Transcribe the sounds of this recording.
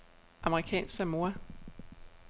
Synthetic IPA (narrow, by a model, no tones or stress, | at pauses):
ʔɑ̈məʁikʰɛ̰ːnsæmo̝ɐ